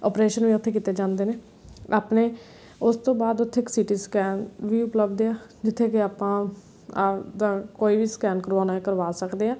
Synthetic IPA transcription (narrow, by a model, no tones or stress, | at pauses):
ɔːpɾeːʃənʋiːʊt̪ʰːeːk̬iːt̪eːd͡ʒãːnd̪eːneː | a̰ːpneː | ʊst̪õːbaːd̪ʊt̪ʰːeːksiːʈiːskɛːnʋiːʊpləbd̪eaːd͡ʒɪt̪ʰːeːkɪaːpãː | ad̪aːkoːiːbiːskɛːnkəɾʋaːnaːekəɾʋaːsəkd̪eːãː